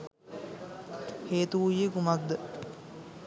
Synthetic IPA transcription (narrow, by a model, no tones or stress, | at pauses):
heːt̪uujːekumak̚d̪ə